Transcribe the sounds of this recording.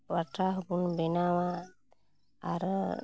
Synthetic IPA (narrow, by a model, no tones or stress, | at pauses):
waʈɾaɦbunbenawa | aɾ